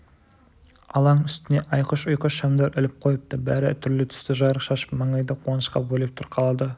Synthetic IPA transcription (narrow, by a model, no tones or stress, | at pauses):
ɑlˠɑnʏst̪ɪne̞ʔɑjqəʃʊjqəʃɑmd̪ɑɾʔɪlɪp̚qʰojəp̚t̪əbæ̰ɾɪt̪ʰʏɾlɪt̪ʰʏ̥st̪ɪʒɑjɾəqʃɑʃə̥pmɑɴɑjd̪ɑqʰuɑnəʃqɑ̰bɵlep̚t̪ʰʊɾqʰɑlˠɑd̪ə